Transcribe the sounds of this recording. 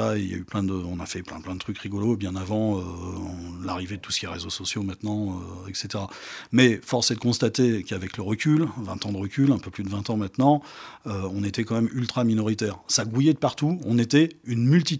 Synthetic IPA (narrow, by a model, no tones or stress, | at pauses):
aeilja̰yplɛ̃d̪əɔ̃nafɛplɛ̃plɛ̃d̪ət̪χykʁiɡɔlobjɛ̃navɑ̃ø̃ | laʁived̪ət̪u̥sə̥kʲiɛʁezosɔsjomɛ̃t̪nɑ̃øɛkset̪eʁamɛfɔʁsed̪əkɔ̃st̪at̪ekavɛkləʁəkʲylvɛ̃t̪ɑ̃d̪əʁəkʲylɛ̃pøplyd̪əvɛ̃t̪ɑ̃mɛ̃t̪nɑ̃øɔ̃net̪ɛkɑ̃mɛmylt̪χaminɔʁit̪ɛːʁsaɡujɛd̪əpaʁt̪uɔ̃net̪ɛynmylt̪i